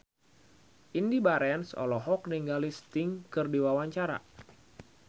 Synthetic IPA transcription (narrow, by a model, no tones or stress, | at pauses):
ʔindibaɾɛnsɔ̰lɔɦɔk̚niŋɡalist̪ɪŋkɨrdiwawaɲt͡ʃaɾa̰